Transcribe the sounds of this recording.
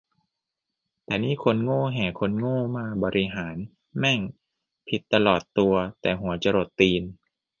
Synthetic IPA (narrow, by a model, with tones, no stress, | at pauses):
t̪ɛː˨˩niː˥˩˨kʰo˧nŋoː˥˩˨ɦɛː˨˩kʰo˧nŋoː˥˩maː˧bɔː˧ɾʔi˧ɦaː˩˦n | mɛ˥˩ŋ | pʰi˨˩t̪ːa˧lɔː˨˩t̪ːu˧ɐt̪ɛː˨˩ɦu˨˩˦ɐt͡ɕa˧ɾo˨˩t̪ːiː˧n